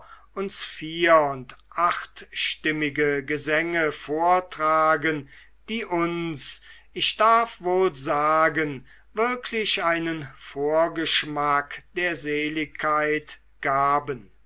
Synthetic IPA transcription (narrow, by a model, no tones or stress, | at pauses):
ʔʊnsfiːɐʊntʔaχtʃtɪmɪɡəɡəzɛŋəfoːɐtʁ̥aːɡən | d̥iːʔʊns | ʔɪʃd̥aɐfvoːlzaːɡən | vɪɐkʰlɪʃaɪnənfoːɐɡəʃmakd̥eːɐzeːlɪkʰːaɪt | ɡ̥aːbən